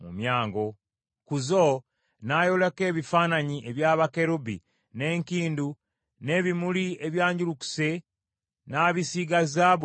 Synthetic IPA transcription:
mumjaːŋɡo̞ | kuzo | najoleke̞ːβifaːnaɲiʔe̞βjaːβake̞ɾubḭ | ne̞ːŋkiːndu | ne̞ːβimulieβjaːɲɟuluku̥se̞ | naːβisiɡazaβ

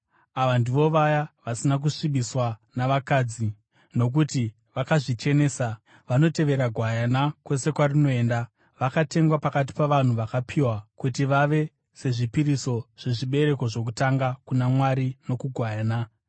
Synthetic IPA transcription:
aʋandiʋo̞ʋajaʋasinak̬uʂiɓbiswanaʋakaːd͡zi | no̞k̬uti | ʋakaʐit͡ʃe̞ne̞ːsa | ʋano̞te̞ʋe̞ɾaɡʱwajanakwe̞se̞kwarino̞e̞ːnda | ʋakate̞ŋɡwapakat̬i̥paʋan̤uʋakapʰiwakutiʋaʋe̞ | se̞ʐipiɾiso̞ʐ̥e̞ʐiɓe̞ɾe̞ko̞ʐo̞k̬utaŋɡakunamwaɾino̞kuɡʱwajaːna

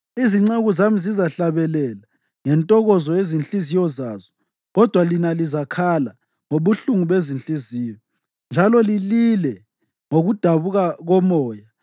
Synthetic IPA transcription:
iziŋ͡ǀeɣuzamizizaɬaβɛlɛla | ŋɛntʼɔɣɔzɔjezinɬʼizijɔzaːzɔ | ɣɔd̥ʱwalinalizakʰala | ŋoβuɬuŋuβezint͡ɬʼiziːjɔ | nd͡ʒʱalɔlililɛ | ŋoɣud̥ʱaβuɣaɣɔmɔːja

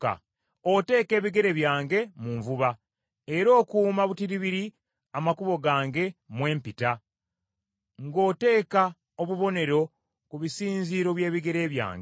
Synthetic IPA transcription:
ka̰ | ote̞ːke̞ːβiɡe̞ɾe̞βjaːŋɡe̞muɱvuβa | eɾo̞ːkuːmaβutiɾiβiɾi | amakuβo̞ɡaːŋɡe̞mwe̞ːmpita | ŋɡo̞ːte̞ːka | oβuβo̞ne̞ɾo̞ | kuβisiːnziːɾo̞βje̞ːβiɡe̞ɾe̞ːβja̰ːŋɡe

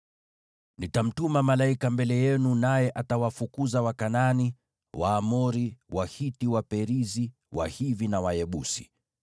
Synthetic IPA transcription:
nitam̩tumamalaikambɛlɛjɛnunajɛʔatawafukuzawakanani | waːmɔɾiwahitiwapɛɾizi | wa̰hivinawajɛɓṵsi̥̰

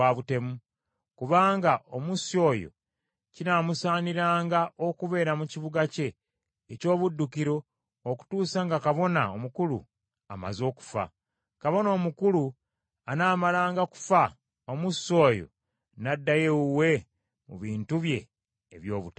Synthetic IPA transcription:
aβute̞mu | kuβaːŋɡaomusio̞ːjo̞̰ | cinamusaːniɾaːŋɡaʔokuβe̞ːɾamuciβuɡace̞ː | co̞ːβudːukiɾoː | ku̥tuːsaŋɡakaβo̞na̰omukulṵ | a̰ma̰zo̞ːku̥fa̰ | kaβo̞no̞ːmukulu | anaːmalaːŋɡaku̥fa | omuso̞ːjo̞̰ | nadːajeuwe̞ | mṵβiːntuβje̞̰ː | βjo̞ːβute

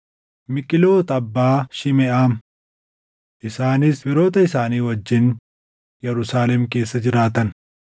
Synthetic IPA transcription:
mɪkʼɪlo̞ːt̪ɐbːaːʃɪmɛʔaːm | ʔɪsaːnɪsbɪɾo̞ːt̪ɐɪsaːniːwɐd͡ʒːɪn | jɛɾʊsaːlɛmke̞ːsːɐd͡ʒɪɾaːt̪ɐn

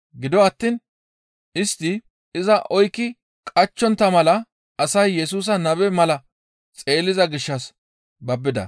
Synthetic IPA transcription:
ɡɪd̪ɔɐt̪ːiːn | ɪst̪ːɪ | ɪzɐʔɔjkːɪ | kʼɐt͡ʃːɔnt̪ːɐmɐlɐ | ʔɐsɐjːɛsuːs̬ɐnɐβɛmɐlɐ | t͡sʼe̞ːlɪzɐɡɪʃːɐs | bɐbːɪd̪ɐ̰

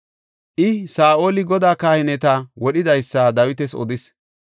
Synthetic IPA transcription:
ʔɪsaːʔo̞ːlɪɡɔd̪aːkaːhɪnɛt̪ɐwɔɗɪd̪ɐjsːad̪ɐwɪt̪ɛsɔ̰d̪ɪs

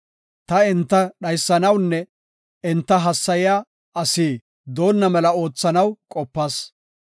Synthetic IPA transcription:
t̪ɐɪnt̪ːɐɗɐjsːɐnɐwnːɛ | ɪnt̪ːɐɦɐsːɐjɪjaː | ɐsiː | d̪o̞ːnːɐmɛlɐo̞ːt͡sːɐnɐwkʼɔpːɐs

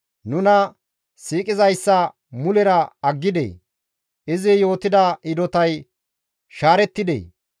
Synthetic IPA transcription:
nʊnɐ | siːkʼɪzɐjsːɐ | mʊlɛɾɐɐɡːɪd̪ḛ | ɪzɪjo̞ːt̪ɪd̪ɐʔɪd̪ɔt̪ɐj | ʃaːɾɛt̪ːɪd̪ḛː

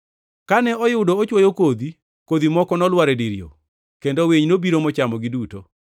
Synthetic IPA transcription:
kanɛʔɔjɪʊdoɔt͡ʃwɔjokod̪i | kod̪imɔkɔnɔlwaɾɛdiɾijo̰ | kendoweɲnobiɾomɔt͡ʃamɔɡɪduto

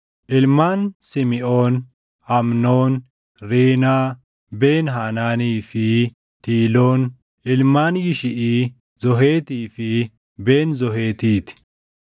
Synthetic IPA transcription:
ʔɪlmaːnsɪmɪʔoːn | hɐmnoːn | ɾeːna | beːnɦaːnaːniːfiː | t̪iːloːn | ʔɪlmaːnjɪʃɪʔiː | zɔɦeːt̪iːfi | beːnzɔɦeːt̪iːt̪

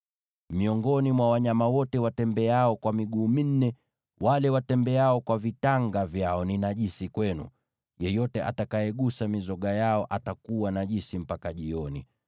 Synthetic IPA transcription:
miɔŋɡɔnimwawaɲamawɔtɛwatɛmbɛaɔkwamiɠuːmin̩nɛ | walɛwatɛmbɛaɔkwavitaŋɡavjaɔninaʄisikwɛnṵ | jɛjɔtɛʔa̰takaɛɠusamizɔɠajaɔʔatakuwanaʄisim̩pakaʄiɔnḭ

